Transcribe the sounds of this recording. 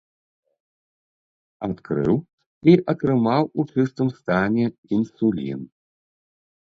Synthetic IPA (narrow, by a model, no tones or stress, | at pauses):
at̪kɾɨ̰w | iʔɐt̪ɾɨmawut͡ʂɨst̪ɨmst̪anʲɛinsulʲḭn